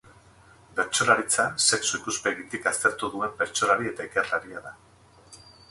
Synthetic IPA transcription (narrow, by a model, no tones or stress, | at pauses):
be̞ɾt͡so̞laɾit͡sase̞ksuikuspe̞ɣit̪ikast̪e̞ɾt̪uðue̞mbe̞ɾt͡so̞laɾie̞t̪aikerlaɾiaða